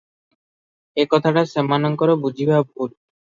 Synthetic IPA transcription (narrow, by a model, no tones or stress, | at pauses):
ekɔt̪ʰaʈaʃemːanoŋkoɾebud͡ʑʱibabʱul